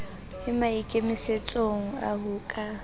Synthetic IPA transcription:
hɪmaikʼemiset͡sʼoŋ̩a̰ɦuːkʼa

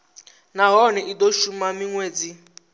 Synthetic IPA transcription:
naɦɔnɛʔidoʃumamiŋweːd͡zi

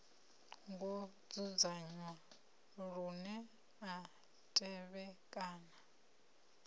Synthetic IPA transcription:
ŋɡɔ | d͡zud͡zaɲwa | ɺunɛ | a | tʼɛβɛkʼaːna

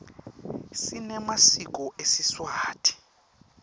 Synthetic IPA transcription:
sinɛmasik̬ʼɔʔesiswaːtʰi̥

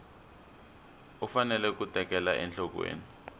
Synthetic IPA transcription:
ufanɛlɛk̬utɛk̬ɛla̰ʔɛ̰nɬɔk̬wḛːni

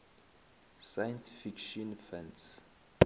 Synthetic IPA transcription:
sajãnsfikʃɔ̃nfɛ̃ns

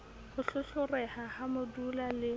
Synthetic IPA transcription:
hʊɬʊɬʊrɛhahamʊdulalɪ

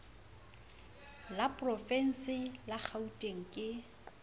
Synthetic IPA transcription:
lapʼrɔfɛn̩sɪlak͡xʰautʼeŋ̩kʼɪ

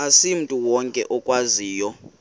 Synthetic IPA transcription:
asim̩tʼuwɔŋkʼɛʔɔkʼwaziːjɔ

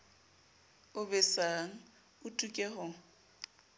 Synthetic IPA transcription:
ʊbɛsaŋ̩ | ʊtʼukʼɛhʊ

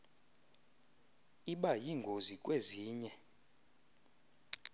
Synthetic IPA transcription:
iɓajiŋɡʱozikʼweziːɲɛ

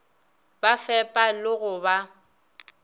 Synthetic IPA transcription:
bafɛpʼalɪɣʊba

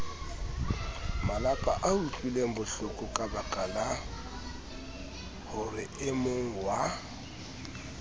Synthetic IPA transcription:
malapʼaʔautʼwileŋ̩bʊɬʊkʼʊkʼabakʼala | hʊrɪɪmoŋ̩wa

